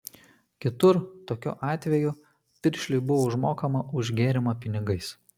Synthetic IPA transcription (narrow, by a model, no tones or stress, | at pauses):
kʲɪt̪ʊɾt̪oːkʲṵːʔɑːt̪ʲʋʲɛjʊ | pʲɪɾʲʃʲlʲɪɪbʊʋoʊʒmoːkɐmɐʔʊʒʲɡʲeːɾʲɪmɐpʲɪnʲɪɡɐɪs